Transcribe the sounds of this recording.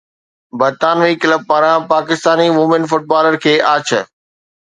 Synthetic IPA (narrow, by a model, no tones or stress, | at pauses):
bɐɾt̪aːnʋiːkɪləb̚paːɾãpaːkɪst̪aːniʋʊmɪnfʊʈ̚baːləɾkʰeːʔaːt͡ɕʰə